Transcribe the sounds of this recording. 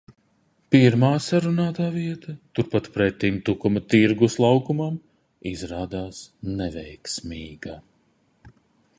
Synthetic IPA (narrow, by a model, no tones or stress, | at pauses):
piɾmaːsaɾunaːt̪aːviɛt̪ɐt̪uɾpat̪pɾɛt̪ːimt̪ukumɐt̪iɾɡuslˠawkumam | izɾaːd̪aːsnɛvʲɛjksmiːɡa